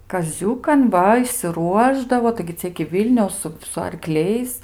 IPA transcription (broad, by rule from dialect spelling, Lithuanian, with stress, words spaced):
kɐˈzʲuːkɐn ˈʋɐ ɪʃʲsʲɪˈruɔʒdɐʋoː tɐɪɡʲɪ ˈt͡sʲɛ ɪkʲɪ ˈʋʲiːlʲnʲɛʊs ˈsʊ sʊ ɐrˈklʲɛɪs